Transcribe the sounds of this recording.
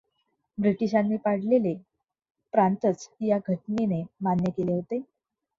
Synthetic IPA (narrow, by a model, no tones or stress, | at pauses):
bɾiʈiɕanːiːpaɽ̤lele | pɾant̪ət͡sjaɡʱəʈninemanjəkeleɦot̪e